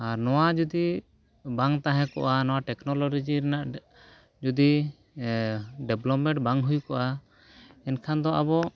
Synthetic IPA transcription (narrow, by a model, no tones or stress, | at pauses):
aɾnɔwad͡ʒud̪i | baŋt̪aɦɛ̃kɔ̰ʔanɔwaʈɛknɔlɔɾid͡ʒiɾɛnaʔ | d͡ʒud̪i | ɖɛblɔpmɛ̃ʈbaŋɦujkɔʔa | ɛnkʰand̪ɔʔabɔ